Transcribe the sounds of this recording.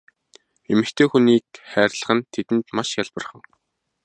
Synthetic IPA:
emɘ̆kt̪ʰeːxuniːk̚χæːrʲɮə̆χə̆nt̪ʰet̪ɘ̆nt̪maʃjaɮpə̆rχə̆ŋ

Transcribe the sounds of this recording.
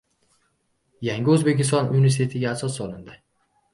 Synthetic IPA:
jaŋʲɪɵzbe̞kʲɪst̪ɒnʔuj̪ʲes̬ʲt̪ʰe̞t̪ʰɪɡʲaːsɒsːɒlˠɪnd̪ɪ

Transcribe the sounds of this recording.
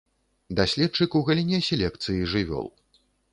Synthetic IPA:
d̪asʲlʲɛt̪̚t͡ʂɨkuɣɐlʲinʲɛsʲɛlʲɛkt̪sɨjiʐɨvʲɔ̰lˠ

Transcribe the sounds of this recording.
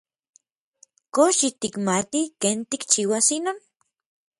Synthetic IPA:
koʃit̪ikmat̪ikeːnt̪ikt͡ʃiwasinoːn

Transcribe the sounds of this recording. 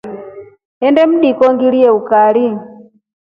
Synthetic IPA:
ɛndɛm̩ɗikɔŋɡiliɛukaɾi

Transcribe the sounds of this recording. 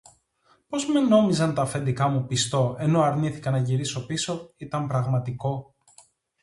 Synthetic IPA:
po̞zme̞no̞mizɐnt̪ɐfe̞nd̪ikɐmupist̪o̞e̞no̞ɐɾniθikɐnɐʝiɾiso̞piso̞it̪ɐmpɾɐɣmɐt̪iko̞

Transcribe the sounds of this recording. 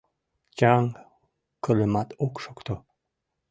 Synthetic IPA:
t͡ʃɑŋ | kələmɑt̪ʰokʃokt̪o

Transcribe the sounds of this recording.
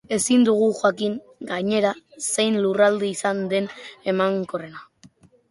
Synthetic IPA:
e̞sind̪uɣ̞uxwakiŋ | ɡaɲe̞ɾase̞jnlurald̪iisand̪e̞ne̞maŋko̞re̞na

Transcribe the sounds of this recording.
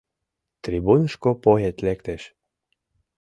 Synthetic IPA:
t̪ɾibunʃkopoɦet̪lekt̪eʃ

